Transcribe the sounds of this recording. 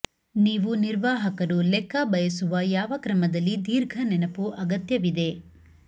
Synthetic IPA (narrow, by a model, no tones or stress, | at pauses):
niːʋuniɾʋaːɦɐkɐɾulɛkʰːɐbɐjɐsuʋɐjaːʋɐkɾɐmɐd̪ɐlːid̪iːɾɡʱɐnɛnɐpuʔɐɡɐt̪jɐʋid̪e̞